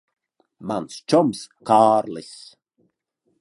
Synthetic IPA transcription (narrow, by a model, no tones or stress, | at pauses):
manst͡ʃɔmskʰaːɾlɪs